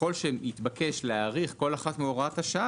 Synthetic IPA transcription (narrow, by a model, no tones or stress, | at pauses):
o̞lʃeit̪bakeʃleaːʁiχko̞laχatmeoʁataʃa